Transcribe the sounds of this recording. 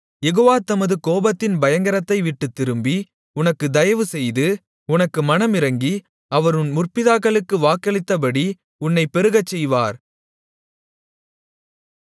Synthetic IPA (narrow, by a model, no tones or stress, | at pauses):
jɛɣoːʋaːt̪ɐmɐðɯkoːbɐt̪ːɪnbɐjɐŋɡɐɾɐt̪ːɐɪʋɪʈːɯt̪ːɪɾɯmbi | ʊnɐkːɯd̪ɐjɐʋɯsɛjðɯ | ʊnɐkːɯmɐnɐmɪɾɐŋɡi | ɐʋɐɾɯnmʊrpɪðaːkːɐɭɯkːɯʋaːkːɐɭɪt̪ːɐp̬ɐɽi | ʊnːɐɪpːɛɾɯɣɐt͡ʃːɛjʋaːɾ